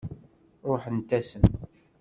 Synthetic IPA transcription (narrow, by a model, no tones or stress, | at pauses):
ɾˤoħənt̪æsən